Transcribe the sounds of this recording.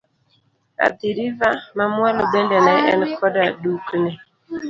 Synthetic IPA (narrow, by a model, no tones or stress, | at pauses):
a̰diɾivamamwɛlobɛndɛnaɛ̰nkɔdaduknɛ